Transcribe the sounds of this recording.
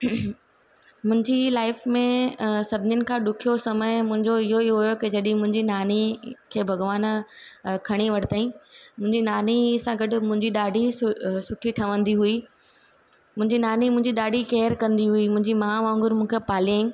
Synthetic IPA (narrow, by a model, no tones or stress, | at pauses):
mʊ̃ɦɪ̃ɲd͡ʑilaːɪfmẽsɐbʱɪɲɪnɪ̆kʰãːɗʊkʰijosɐməjmʊ̃ɦɪ̃ɲd͡ʑoɪɦoɪɦoɦʊjokid͡ʑɐɗɪ̃ɪ̃mʊ̃ɦɪ̃ɲd͡ʑinaːnikʰeːbʱɐɡʋaːn | kʰɐɽ̃iʋɐʈʰɪt̪aːĩmʊ̃ɦɪ̃ɲd͡ʑinaːnisãɡɐɖʊ̆mʊ̃ɦɪ̃ɲd͡ʑiɗaːɖʱisʊʈʰiʈʰɐʋə̃nd̪iɦui | mʊ̃ɦɪ̃ɲd͡ʑinaːnimʊ̃ɦɪ̃ɲd͡ʑiɗaːɖʱikeːɾkɐ̃nd̪iɦuimʊ̃ɦɪ̃ɲd͡ʑimaːamãːŋɡʊɾmũːkʰepaːliãː